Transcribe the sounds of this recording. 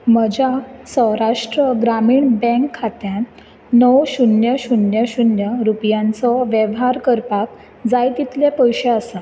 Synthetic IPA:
məd͡ʑasə̃ɦɾaʂʈɾəɡɾamiːɳbɛ̃kʰːat̪jãn | nəwɕunjəɕunjəɕunjəɾupjãnt͡sɔʋjəʋɦaɾkəɾpak̚ | d͡zajt̪it̪lepəjɕeasa

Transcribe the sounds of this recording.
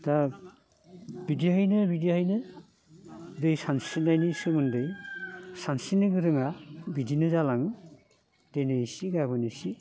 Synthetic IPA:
ta | bidiɦajnɯbidijhajnɯ | dɯjsansinajnɯsɯmɯndɯjsansinɯɡɯɾɯŋabidinɯzalaŋ | d̥ejnɯisiɡabɯnɯsi

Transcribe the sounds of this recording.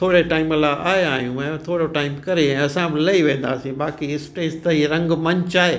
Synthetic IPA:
t̪ʰoːɽeʈaːɪmɐlaʔaːeaːɦijũmɛ̃ːt̪ʰoːɽoʈaːɪmkɐɾeɛ̃ɐsãbɪlɐiʋẽːn̆d̪aːsĩbaːkiɪsʈeːst̪ɐɦiɾɐ̃ŋɡmɐ̃ɲt͡ɕaːɦeː

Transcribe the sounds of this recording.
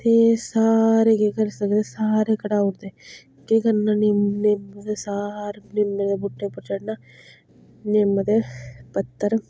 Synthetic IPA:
t̪esaːɾekikɐɾsɐkd̪esaːɾekɐɽaːʊɽd̪e | kikɐɾnanimnemːət̪esaːɾnɪmːət̪ebʊʈːepɐɾt͡ʃɐɽna | nemːət̪epɐt̪ːəɾ

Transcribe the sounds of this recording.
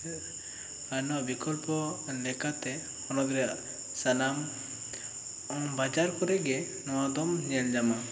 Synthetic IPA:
ajnɔʔbikɔlpɔlɛkat̪ɛ | hɔnɔd̪ɾɛaʔ | sanam | ɔbad͡ʒaɾkɔɾɛɡɛ | nɔwad̪ɔmɲɛld͡ʒama

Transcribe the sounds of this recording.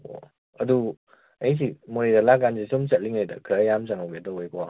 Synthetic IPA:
o̰ | ɐdu | ɐjs̬imoɾidalaɡansisomt͡ʃɐt̚liŋajdɐ̰kʰɾajamsaŋawɡedɔojkʰɔwa

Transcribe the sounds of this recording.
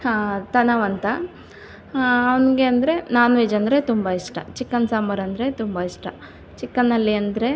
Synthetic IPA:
t̪ɐnɐʋɐnt̪ɐ | ɐʋɐnɡe̞ɐnd̪ɐɾe̞naːnʋed͡ʒɐnd̪ɾe̞t̪umbɐiʂʈɐt͡ʃikːɐnsaːmɐɾɐnd̪ɾe̞t̪umbɐiʂʈɐ | t͡ʃikːɐnːɐlːiɐnd̪ɾe̞

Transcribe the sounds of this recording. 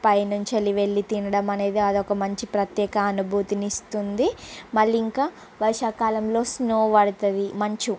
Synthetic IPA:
pɐjnuɲt͡ʃɐliʋe̞ɭːit̪iɳɐɽɐmɐne̞ːd̪iɐd̪ɔkɐmɐɲt͡ʃipɾɐt̪jɛːkɐːnubʱuːt̪inist̪und̪imɐɭːiiŋkaː | ʋɐɾʂaːkaːlɐmlo̞ːsnoːʋɐɽut̪ɐd̪imɐɲt͡ʃu

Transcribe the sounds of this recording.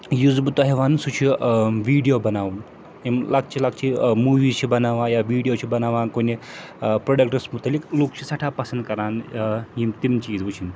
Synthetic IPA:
jud͡zbut̪uɦeʋansut͡ʃʰiʋiːɽijobɐnaːʋun | imlaɡ̚t͡ʃilak̚t͡ʃʰimuːʋiːzt͡ʃʰibɐnaʋãjaʋiːɽijot͡ʃʰibɐnaːʋãnkoni | pɾoɖəkʈəsmut̪alikloːk̚t͡ʃʰisɐʈʰapɐsənd̪̚kɐɾaːnjimt̪imt͡ʃiːd͡zbut͡ʃʰin

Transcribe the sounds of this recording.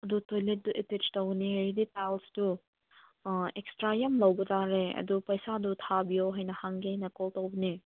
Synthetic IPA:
ɐdutojlet̚duʔitid͡ʒtɐwniɾiditalsdu | ekstɾajɐmlɐwbɐtʰaɾeɐ̰dupɐjsadutʰabijoɦajnɐhaŋɡiɦajnɐkoltowbɐni

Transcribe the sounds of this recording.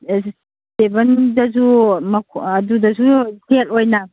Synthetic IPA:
sebɐndɐzumɐkʰɐdudɐzusʰelojnɐ

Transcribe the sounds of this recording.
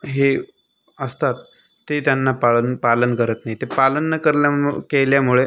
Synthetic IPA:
ɦe | əst̪at̪ː | et̪janːapaənpalənkəɾət̪naɦit̪epalənːəkəɾljakeljamuɭe

